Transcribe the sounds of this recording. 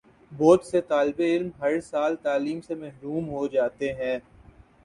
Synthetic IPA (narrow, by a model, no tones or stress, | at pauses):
boːt̪set̪aːlbeɪlmɦɐɾsaːlt̪aːliːmsemɛɦɾuːmɦod͡ʒaːt̪eɦɛ̃ː